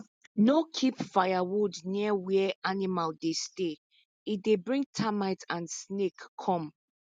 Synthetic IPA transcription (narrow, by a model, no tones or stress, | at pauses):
nokʰipfajawudniəwɛɛʔanimaldeste | idebɹĩŋ̚tʰamaɪtʰãnsnekʰːɔ̃m